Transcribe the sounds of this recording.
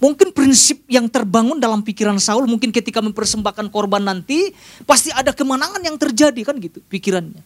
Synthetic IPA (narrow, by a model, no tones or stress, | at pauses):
muŋkɪnpɾinsɪp̚jaŋt̪ərbaŋʊndalampikiɾansaʊlmuŋkɪnkət̪ikaməmpərsəmbahkankorbanːant̪ipast̪iadakəmanaŋanjaŋt̪ərd͡ʒadikanɡit̪upikiɾanɲa